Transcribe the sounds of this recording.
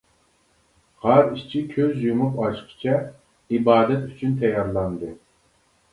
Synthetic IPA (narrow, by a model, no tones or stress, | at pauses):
hɑɾiʃt͡ʃʰikʲʰøzjumupɑʃqʰɨ̥t͡ʃʰɑ | ibɑːd̪ɛt̪yt͡ʃʰynt̪ʰɛjɑɾlˠɑnd̪ɨ